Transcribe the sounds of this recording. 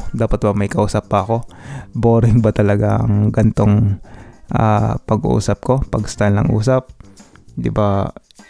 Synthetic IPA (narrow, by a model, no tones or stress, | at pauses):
d̪aːpɐt̪̚bɐmɐjkɐʔuːsɐpːɐʔɐko̞boːɾɪŋbɐt̪ɐlɐɡaɐ̰ŋɡɐnt̪o̞ŋ | ʔa̰ːpɐɡṵʔṵːsɐp̚ko̞pɐɡst̪alnɐŋʔṵːsɐp̚ | d̪ɪba